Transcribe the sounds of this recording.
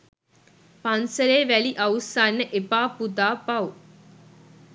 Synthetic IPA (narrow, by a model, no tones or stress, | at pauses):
pɐnsəɾeːʋæliʔɐusanːəʔepaːpud̪aːpau